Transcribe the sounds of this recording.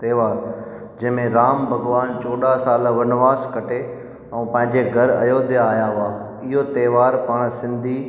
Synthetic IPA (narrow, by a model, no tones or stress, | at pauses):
t̪eːʋaːɾ | d͡ʑɐ̃ɦɪ̃mẽɾaːmbʱɐɡʋaːnt͡ɕoːɗasaːlʋɐnʋaːskɐʈʰe | ɛ̃ːpɐ̃ɦɪ̃ɲd͡ʑeɡʱɐɾɐ̰joːd̪ʱɪjaːjaɦʊaː | ɪɦot̪eːʋaːɾpaːɽ̃sɪ̃nd̪ʱi